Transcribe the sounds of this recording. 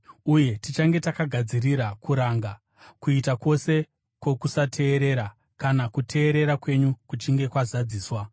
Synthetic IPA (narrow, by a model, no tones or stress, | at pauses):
uje̞tit͡ʃaŋɡe̞takaɡʱad͡ziriɾakuɾaŋɡa | kuitako̞se̞ | kwo̞kusatʰe̞ːɾe̞ɾa | kanakutʰe̞ːɾe̞ɾakwe̞ɲukut͡ʃiŋɡe̞kwazad͡ziːswa